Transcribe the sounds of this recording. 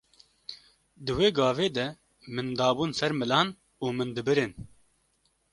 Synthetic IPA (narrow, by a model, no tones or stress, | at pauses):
d̪ɨweːɡɑːveːd̪ɛ | mɨnd̪ɑːbuːnsɛɾmɨlɑːn | uːmɨnd̪ɨbɨɾen